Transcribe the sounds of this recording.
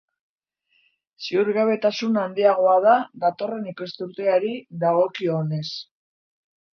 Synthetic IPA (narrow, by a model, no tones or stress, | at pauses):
siuɾɣaβe̞t̪asunand̪iaɣ̞o̞að̞aðat̪o̞re̞nike̞st̪uɾt̪e̞aɾiðaɣ̞o̞kione̞s